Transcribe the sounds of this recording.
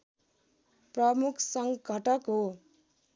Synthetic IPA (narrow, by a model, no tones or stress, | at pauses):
prʌmukʰsʌŋɡʱʌʈʌkɦo